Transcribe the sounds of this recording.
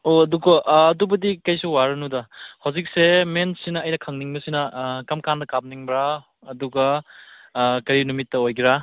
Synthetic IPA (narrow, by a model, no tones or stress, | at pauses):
oɐdukoʔːdubɐdikɐjsuwaɾɐnudɐhawzik̚semensinɐːjnɐkʰɐŋniŋbɐsinɐkɐmkandɐkab̚niŋbɾa | ɐduɡɐ | kɐɾinumitːɐojɡiɾa